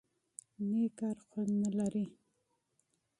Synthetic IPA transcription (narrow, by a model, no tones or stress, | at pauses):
nekaɾxwannəlaɾi